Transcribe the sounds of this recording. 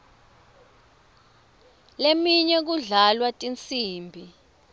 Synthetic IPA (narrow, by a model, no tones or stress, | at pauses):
lemiɲɛk̬uɮalwatʼint͡sʼiːmbʱi